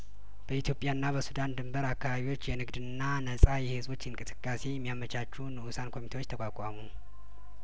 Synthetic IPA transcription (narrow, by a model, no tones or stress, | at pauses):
b̥əit̪ʰjo̞pʼjanːaβəsud̪and̪ɨmbəɾakːaβaβiwo̞t͡ʃːjɛnɨɡd̪ɨnːanəsʼajɛhɨzo̞t͡ʃːɪɨŋkʼɨsɨ̥kʼːase̞jɛmːijamət͡ʃʼat͡ʃːunɨusankʰo̞mit̪ʰewo̞t͡ʃːt̪ʰəkʷʼakʷʼamu